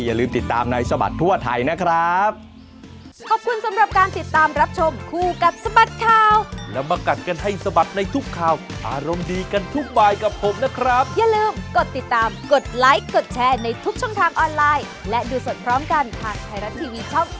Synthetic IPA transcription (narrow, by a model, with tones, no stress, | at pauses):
ja˨lɯː˧mt̪i˨˩t̪ːa̰ː˧mna˧jsa˧ba̰˨˩t̪ʰːu˥˩ɐt̪ʰa˧jna˦˥kʰɾa˦˥p̚ | kʰɔː˨˩p̚kʰu˧nsa˨˦mɾa˨˩p̚kaː˧nt̪i˨˩t̪ːaː˧mɾa˦˥p̚t͡ɕʰo˧mkʰuː˧˩ka˨˩t̪̚sa˧ba˨˩t̪̚kʰaː˨˩wlɛ˦˥wmaː˧ka˨˩t̪̚ka˧nɦa˥˩jsa˧ba˨˩t̪̚na˧jt̪ʰu˦˥kʰːaː˨˩wʔaː˧ɾo˧mdiː˧ka˧nt̪ʰu˦˥k̚baː˧˩jka˨˩pʰːo˨˩˦mna˦˥kʰɾa˦˥p̚ja˨lɯː˧mko˨˩t̪ːi˨˩t̪ːaː˧mko˨˩t̪̚la˦˥jo˨˩t̪̚t͡ɕʰɛː˧na˧jt̪ʰu˦˥k̚t͡ɕʰɔ˥˩ŋt̪ʰaː˧ŋʔɔː˧nlaː˧j | lɛ˦˥duː˧so˨˩n̚pʰɾɔː˦˥mka˧nt̪ʰaː˨˩ŋ̚tʰaː˧jɾa˦˥t̪̚t̪ʰːiː˧wiː˧t͡ɕʰɔ˥˩ŋ